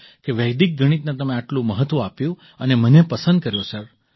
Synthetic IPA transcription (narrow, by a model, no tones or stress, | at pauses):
keʋɛjd̪ik̚ɡʱəɽ̃it̪nat̪əmẽaʈlũməɦət̪ʋoapjũ | ənemənepəsə̃nd̪̚kəɾjosəɾ